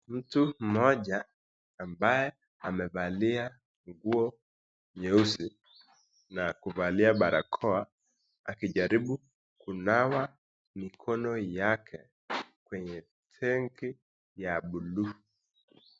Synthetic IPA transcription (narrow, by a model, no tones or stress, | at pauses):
m̩tum̩mɔʄaː | mbajɛ | amɛvalia | ŋɡuɔ | ɲɛusi | nakuvaliaɓaɾa̰kʰɔa | akiʄaɾiɓu | kunawa | mikʰɔnɔjakʰɛ | kwɛɲɛ | tʰɛŋki | jaɓulu